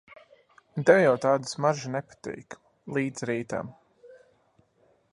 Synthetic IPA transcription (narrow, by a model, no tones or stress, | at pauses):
d̪ɛwjawt̪aːd̪ɨ̥smaʒinɛpḁt̪ḭːk | lˠiːd̪z̥ɾiːt̪a̰m